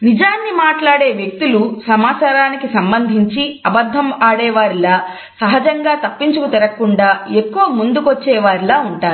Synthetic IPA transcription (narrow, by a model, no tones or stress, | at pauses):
nid͡ʒaːnːimaːʈlaːɽeːʋjek̚t̪ulusɐmaːt͡ʃaːɾaːnikisɐmbɐnd̪ʱiɲt͡ʃiɐbɐd̪ʱːɐmaːɽɛːʋaːɾilaː | sɐɦɐd͡ʒɐŋɡaːt̪ɐpːiɲt͡ʃukut̪ɛɾɐkːuɳɖaːekːuʋɐmund̪ukʋot͡ʃːɛːʋaːɾilaːuɳʈaːɾu